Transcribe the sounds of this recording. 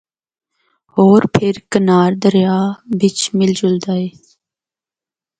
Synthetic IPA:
hoːɾpʰɪɾkənaːɾd̪əɾjaːbɪt͡ʃmɪld͡ʒʊld̪aiː

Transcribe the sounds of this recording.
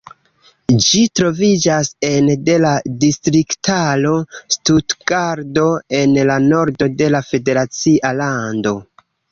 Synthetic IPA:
d͡ʒitɾo̞vid͡ʒase̞nde̞ladistɾiktalo̞stutɡ̥aɾdo̞e̞nlano̞ɾdo̞de̞lafe̞de̞ɾat͡siʔalando̞

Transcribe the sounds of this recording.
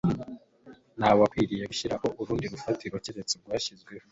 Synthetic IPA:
naːβwakwiːɾijeɡuʃiɾaho̞uβuɾuːndiɾufatiɾocede̞t͡sebɡwaːʃizɡwe̞ho

